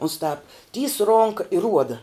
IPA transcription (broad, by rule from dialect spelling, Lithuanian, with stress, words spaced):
ʊns tɑːp tʲiːs ˈroːŋkɐ ɪ ˈruɔdɐ